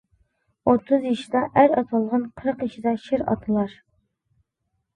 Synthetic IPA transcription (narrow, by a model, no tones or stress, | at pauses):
ot̪ʰːɨzjiʃid̪ɑʔæɾɑt̪ʰɑlˠʁɑnqʰəɾəqjiʃid̪ɑʃɪɾɑ̰t̪ʰɨlˠɑɾ